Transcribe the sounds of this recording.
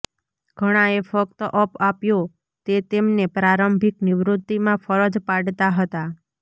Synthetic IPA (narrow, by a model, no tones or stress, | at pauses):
ɡ̥ʱəɽ̃aefəkt̪əʔəpapjo | t̪et̪emnepɾaɾəmbʱiknɪʋɾʊt̪ːimãfʰəɾəd͡ʒpaɽt̪aɦət̪a